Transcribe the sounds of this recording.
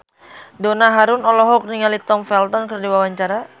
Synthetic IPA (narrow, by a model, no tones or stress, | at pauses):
donaɦaɾʊnɔlɔɦɔk̚niŋalit̪ɔmfɛlt̪ɔnkərdiwawaɲt͡ʃaɾa